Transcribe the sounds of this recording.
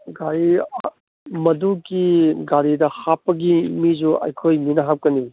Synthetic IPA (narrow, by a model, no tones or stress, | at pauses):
ɡaɾi | mɐdukiɡaɾidɐhapːɐɡimid͡ʒuʔɐ̰jkʰojminɐɦap̚kɐni